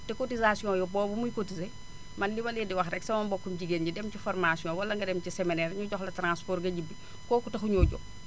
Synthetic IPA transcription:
tɛkotizasijõːjɔbɔːbumujkotize | mɐnlimɐlidiwɐxɾɛksɐmɐmbokːumɟiɡenɟidɛmciformasiɔ̃ːwɐlːɐŋɡɐdɛmciseminɛːɾɲuɟɔxlɐtɾãːspoɾɡɐɟibi | kɔːkutɐxuɲoːɟɔ̰k

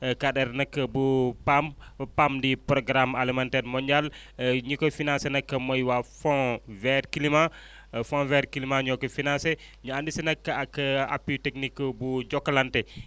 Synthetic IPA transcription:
kadɛɾnɐkːəbupampamdipɾɔɡɾamalimantɛɾmɔɲɟal | ɲukɔfinãsenɐkːəmɔjwafɔ̃vɛɾkilimã | fɔ̃vɛɾkilimãɲɔkɔfinãse | ɲuandisinɐkːəɐkːəa̰pːitɛknikːbud͡ʒɔkːɐlantɛ

